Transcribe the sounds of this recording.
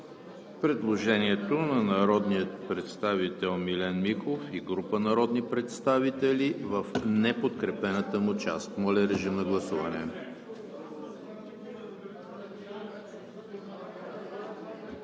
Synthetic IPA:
pɾɛd̪lˠoʒɛniɛt̪onɐnɐɾɔd̪nijət̪̚pɾɛt̪st̪avit̪ɛlˠmilɛnmikˠofiɡɾupənɐɾɔd̪nipɾɛt̪st̪avit̪ɛlivəfnɛpot̪kɾɛpɛnət̪əmut͡ʃa̰st̪molɛɾɛʒimnɐɡlˠɐsuvɐnɛ̰

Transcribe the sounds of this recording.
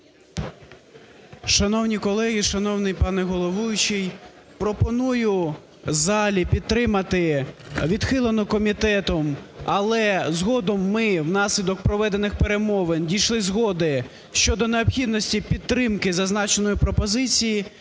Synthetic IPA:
ʃɐnɔwnʲikɔlˠɛɦʲiʃɐnɔwnɪjpɑnɛɦɔlˠɔʋujʊt͡ʃij | pɾɔpɔnujʊ | zɑlʲipʲit̪ːɾɪmɐt̪ɪʋʲid̪xɪlˠɐnɔkɔmʲit̪ɛt̪ɔmɐlˠɛzɦɔd̪ɔmːɪwnɑsʲlʲid̪ɔk̚pɾɔʋɛd̪enɪxpeɾemɔʋendʲijʃlˠɪzɦɔd̪ɪ | ʃt͡ʃɔd̪ɔneɔbxʲid̪nɔsʲtʲipʲid̪̚ɾɪmkɪzɐznɑt͡ʃenɔjʊpɾɔpɔzɪt͡sʲiji

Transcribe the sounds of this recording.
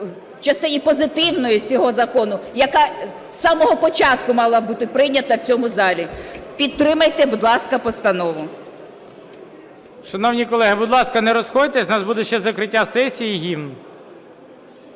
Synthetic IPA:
wt͡ʃɐst̪ɪnʲipɔzɪt̪ɪwnɔjʊt͡sʲɔɦɔzɐkɔnʊjɐkɑ | sɑmɔɦɔpɔt͡ʃɑt̪kʊmɑlˠɐbut̪ɪpɾɪjnʲɐt̪ɐwt͡sʲɔmʊzɑlʲipʲid̪̚t̪ɾɪmɐjt̪ɛbud̪lˠɑskɐpɔst̪ɐnɔʋʊ | ʃɐnɔwnʲikɔlˠɛɦɪbud̪lˠɑskɐnɛɾɔsxɔdʲt̪ɛsʲnɑsbud̪ɛʃt͡ʃɛzɐkɾɪtʲːasɛsʲijiɦʲiwn

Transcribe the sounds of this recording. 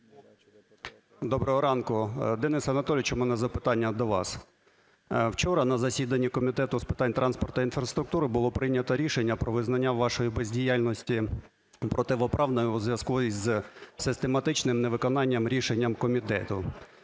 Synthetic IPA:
d̪ɔbɾɔɦɔɾɑnkʊd̪ɛnɪsɐnɐt̪ɔlʲt͡ʃɔmunɛzɐpɪt̪ɑnʲːɐd̪ɔʋɑ̰s | wt͡ʃɔɾɐnɐzɐsʲid̪ɐnʲːikɔmʲit̪ɛt̪ʊspɪ̥t̪ɑnʲt̪ɾʔɑnspɔrt̪ɐinfɾɐst̪ɾʊk̚t̪uɾɪbʊlˠɔpɾɪnʲɐt̪ɔɾʲiʃenʲːɐpɾɔʋɪznɐnʲːaʋɑʃɔjibezʲdʲijalʲnɔsʲtʲi | pɾʔɔt̪ɪʋɔpɾʔɑʋnɔjʊzʋjʲɐskuizsɪst̪emɐt̪ɪt͡ʃnɪmneʋɪkɔnɑnʲːɐmɾʲiʃenʲːɐmkɔmʲit̪ɛt̪ʊ

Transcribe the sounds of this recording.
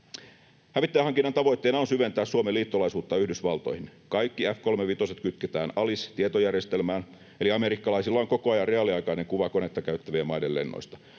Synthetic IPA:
hæʋit̪ːehɑŋkinːɑnt̪ɑʋo̞jt̪ːeːnɑonsyʋe̞nt̪æːssuomeliːt̪ːolɑisuːt̪ːɑyhdysʋɑlt̪o̞̰jhinkɑjkːiæfko̞lmeʋit̪o̞set̪kyt̪ket̪æːnɑlist̪iet̪ojærje̞st̪e̞lmæːn | e̞liɑme̞ɾikːɑlɑisilːɑoŋko̞koɑjɑrre̞ɑliɑjkɑine̞ŋkuʋɑko̞ne̞t̪ːɑkæyt̪ːæʋiemɑjdelle̞̰nːo̰jst̪ɑ̥

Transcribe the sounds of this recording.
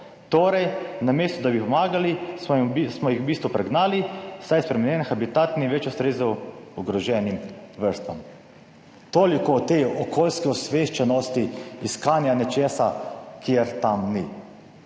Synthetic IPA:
t̪oːɾɛjnameːst̪ɔd̪abipɔmaːɡali | smɔjixwbiːst̪ʋupɾɛɡnaːlisajspɾɛmɛnjɛːnxabit̪aːt̪niʋɛt͡ʃɔst̪ɾeːzɔwuɡɾɔʒɛnimʋəɾst̪ʋam | t̪oːlikɔt̪eːɔkʰoːlskiɔsʋeʃt͡ʃɛnɔst̪iiskaːnjanɛt͡ʃeːsakjeɾt̪amni

